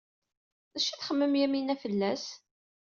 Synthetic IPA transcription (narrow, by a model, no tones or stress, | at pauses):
ðæʃæθχəmːəmjæminæfəlːæs